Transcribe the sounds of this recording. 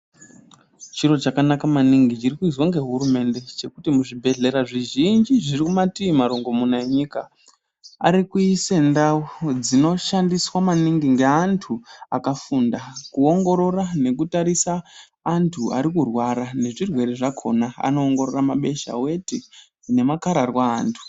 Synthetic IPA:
t͡ʃiro̞t͡ʃakanakamaniŋɡit͡ʃirikuizwaŋɡe̞ɦuɾume̞nde̞t͡ʃe̞kutimuʐibʱe̞ɮe̞ɾaʐiʒind͡ʒiʐirikumatiimaɾoŋɡo̞munaeɲika | a̰ɾikuise̞ndawod͡zino̞ʃandiswamaniŋɡiŋɡe̞antʰuakafundakuo̞ŋɡo̞ɾo̞rane̞kutaɾisaː | ntʰua̰ɾikurwaɾane̞ʐirwe̞ɾeʐakʰo̞̰naa̰no̞ːŋɡo̞ɾoramaɓe̞ʃa̰we̞ti | ne̞makaɾarwaːntʰu̥

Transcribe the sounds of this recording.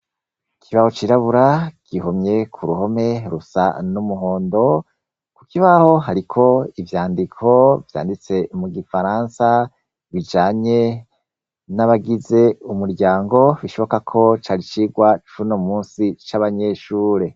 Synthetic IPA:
kʰiβaho̞t͡ʃiɾaβuɾaɡ̥ihomɲe̞kʰuɾuho̞me̞ɾusa̰numuɦo̞ːndo̞ | kukiβaho̞ɦaɾikʰo̞ivjaːndikʰo̞vja̰ːndit͡se̞muɡifaɾaːnsa | βid͡ʒaːɲe̞ | naβaɡize̞umuɾɟaːŋɡo̞βiʃo̞βo̞kakʰo̞t͡ʃaːɾit͡ʃiɡwat͡ʃunomuːsit͡ʃaβaɲe̞ʃuːɾe̞

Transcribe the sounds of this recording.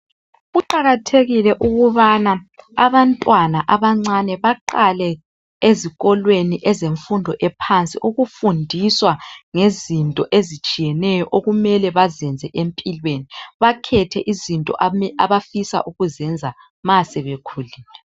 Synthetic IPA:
ɣuǃaɣatʰeɣilɛʔuɣuβanaaβantʼwanaʔaβaŋ͡ǀanɛβaǃalɛ | eziɣɔlweniʔɛzeɱfundʱɔʔɛpʰant͡sʼḭʔoɣufundʱiswaŋezintʼɔʔezit͡ʃʼijɛnɛjɔʔoɣumɛlɛβazɛnd͡zʱɛʔempʼilweniβakʰɛtʰɛʔizintʼɔ̰ʔɛaβafisa̰ʔuɣuzɛnd͡zʱa | masɛβekʰuːlilɛ

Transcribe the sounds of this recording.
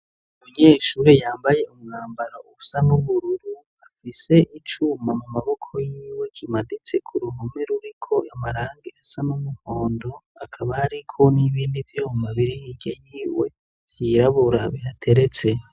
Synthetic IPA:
muɲeːʃuːɾejaːmbaje̞umŋaːmbaɾausanuβuɾuɾu | afise̞ʔit͡ʃumamumaβo̞kʰo̞jiːwe̞kʰimadit͡se̞kʰuɾuhomeɾuɾikʰo̞ʔamaɾaːŋɡiʔasanumuhoːndo̞akʰaβaːɾikʰo̞niβiːndivjoːmaβiɾihiɡejiːwḛ | vjiɾaβuɾaβiatʰe̞ɾe̞t͡se̞

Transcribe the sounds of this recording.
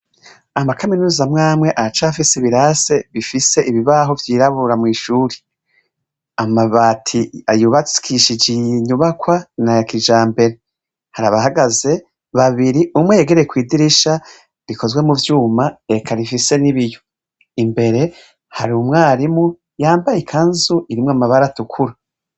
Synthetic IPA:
amakaminuːzamŋaːmŋe̞ʔat͡ʃaafisiβiɾase̞βifise̞ʔiβiβaɦo̞vjiːɾaβuɾamŋiːʃuːɾe̥ | amaβatʰiajuβat͡si̥kʰiʃid͡ʒiiɲuβakwanajakid͡ʒaːmbe̞ɾe̞ | haɾaβaɦaɡaze̞ | βaβiɾiʔumweje̞ɡe̞ɾejekwiːdiɾiʃa | βikʰo̞zwe̞muvjuːmae̞kʰaɾifise̞niβijo | imbe̞ɾe̞ | haɾumŋaːɾimu | jaːmbajikʰanzuiɾimŋoamaβaɾatukʰuɾa

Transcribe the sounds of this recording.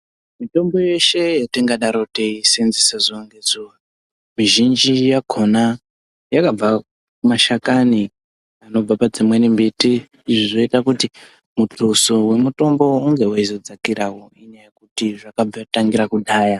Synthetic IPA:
mito̞mbo̞je̞ʃe̞jatiŋɡaɗaɾoteisenzisezoŋɡezuwa | miʒind͡ʒijaɡʱo̞na | jakab͡va | kumaʃakani | ano̞b͡vapad͡zimwenimbitiː | ʐiʐoitakuti | mutʰoso̞we̞muto̞mbo̞ːŋɡe̞waizod͡zakiɾawoiɲajajekutiʐakab͡vataŋɡiɾakuɗaːja

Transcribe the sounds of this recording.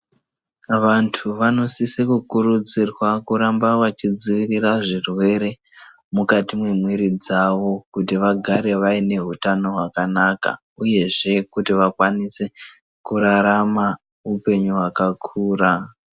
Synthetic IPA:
ʋantʰuʋano̞sisikukuɾud͡zirwakuɾambawat͡ʃid͡ziʋiriraʐirwe̞ɾe̞ | mukatimwe̞mwiɾid͡zaʋo̞kutiʋaɡʱaɾe̞ʋaine̞ɦutano̞ɦwakanaka̰ | uje̞ʐe̞kutiʋakwanise̞ | kuɾaɾama | upe̞ɲuɦwakakʰuːra

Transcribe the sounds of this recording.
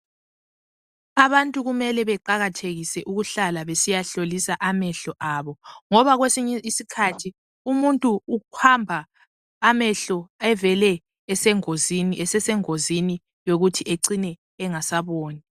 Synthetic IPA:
aβantʼuɣumɛlɛβɛǃaɣatʰeɣisɛʔuɣuɬalaβesijaɬolisaʔamɛɬɔʔaβɔŋɔβaɣwesiɲɛisikʰatʰi | umuntʼuːhambʱaː | mɛɬɔɛvɛlɛː | sɛŋozinɛsɛsɛŋozini | joɣutʰieǀinɛː | ŋasaβoːni

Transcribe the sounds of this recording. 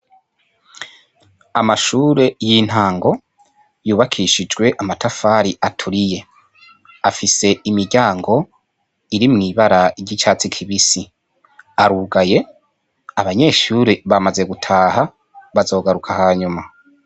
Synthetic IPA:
amaʃuːɾe̞jin̥haːŋɡo̞ | juːβakʰiʃid͡ʒɡwe̞ʔamatafaːɾiʔatʰuɾije̞ | afise̞imiɾɟaːŋɡo̞ | iɾimŋiːβaɾaiɾɟit͡ʃaːt͡sikʰiβisi | aɾuːɡaje̞ | aβaɲe̞ʃuːɾeβamaze̞ɡutʰaːɦa | βazo̞ːɡaɾukʰahaːɲuma

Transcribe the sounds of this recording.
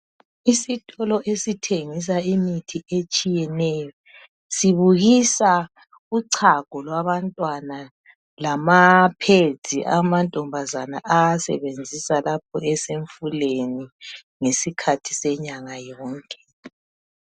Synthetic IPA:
isitʼɔlɔʔesitʰeŋis̬aimitʰiet͡ʃʼijɛnɛjɔ | siβuɣisa | uǀʰaɡ̥ʱɔlwaβantʼwana | lamapʰezʱiʔamantʼɔmbʱazana̰ʔasɛ̰βend͡zʱisalap̚ʰɔ̰ɛseɱfuleni | ŋesikʰatʰi̥sɛɲaŋajɔːŋkʼɛ̥

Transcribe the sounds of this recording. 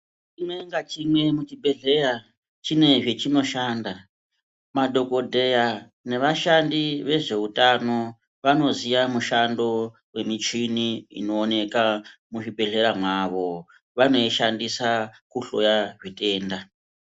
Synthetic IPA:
t͡ʃimwe̞ŋɡat͡ʃimwe̞mut͡ʃibʱe̞ɮe̞ɾa | t͡ʃine̞ʐet͡ʃino̞ʃaːnda | madʱo̞ko̞dʱe̞ja | ne̞ʋaʃandiʋe̞ʐe̞utano̞ | ʋano̞ziʋamuʃando̞ | we̞mit͡ʃiniḭno̞ːne̞kamuʐibʱe̞ɮe̞ɾamwaʋo̞ | ʋano̞iʃandisakuɬo̰jaʐitʼe̞ːnda

